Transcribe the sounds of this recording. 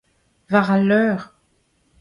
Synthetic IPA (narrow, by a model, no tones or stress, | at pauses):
vaʁalœːʁ